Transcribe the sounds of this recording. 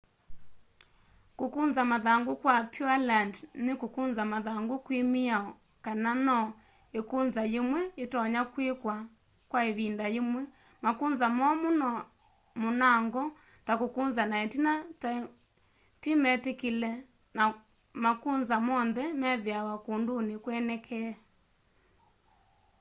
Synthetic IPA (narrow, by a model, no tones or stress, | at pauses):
kokunzamaðaŋɡokwapʰjualandnekokunzamaðaŋɡokwemiaɔ | kananɔ | ekunzajemwɛetɔɲakwekwa | kwaeβindaemwɛ | makunzamɔmonɔ | monaŋɡɔ | takokunzanaɛtinat | timɛtekilɛ | na | makunzamɔnðɛmɛðeawakundonekwɛnɛkʰɛa